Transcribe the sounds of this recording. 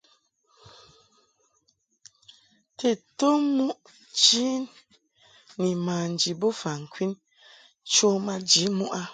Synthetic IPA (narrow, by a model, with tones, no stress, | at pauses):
tʰe˨to˦mu˦ʔ | d͡ʒi˦nː | i˨ma˨n˨d͡ʒi˨bo˦fa˨ŋ̩˨kʰwi˦n | t͡ʃo˦ma˦d͡ʒi˨˦mu˦ʔa˦